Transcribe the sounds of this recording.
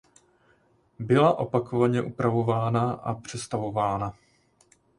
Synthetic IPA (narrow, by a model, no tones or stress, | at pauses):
bɪlaʔo̞pako̞vaɲɛʔupɾavo̞vaːnaʔapr̝̥ɛst̪avo̞vaːna